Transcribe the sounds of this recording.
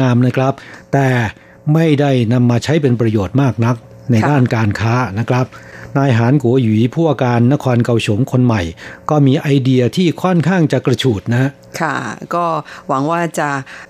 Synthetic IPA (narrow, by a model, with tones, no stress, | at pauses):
aː˧mna˦˥kʰɾa˦˥p̚t̪ɛː˨˩ | ma˥˩jda˥˩jna˧mːaː˧t͡ɕʰa˦˥jp̬e˧npɾa˧joː˨˩t̪̚maː˥˩k̚na˦˥k̚ | na˧jdaː˥˩nkaː˧nkʰaː˦˥na˦˥kʰɾa˦˥p̚naː˧jɦaː˩˦nkʰu˩˦wiː˩˦pʰuː˥˩wa˧kaː˧nːa˦˥kʰɔː˧nka˧wt͡ɕʰo˩˦mkʰo˧nma˨˩jkɔː˥˩miː˧ʔa˧jdi˧ɐ˧t̪ʰiː˥˩kʰɔ˥˩nkʰaː˥˩ŋt͡ɕa˨˩kɾa˧t͡ɕʰuː˨˩t̪̚na˦˥ʔ | kʰa˥˩kɔː˥˩wa˩˦ŋwaː˥˩t͡ɕa˨˩